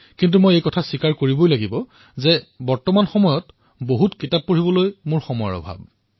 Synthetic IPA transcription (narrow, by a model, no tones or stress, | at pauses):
kint̬umojejkɔtʰasikaɹkoɹibojlaɡibɔ | zɛbɔɹtɔmanxɔmɔjɔt | boɦutkitap̚poɹibɔlojmʊɹxɔmɔjɔ̰ɹɔ̰bʱa̰b̚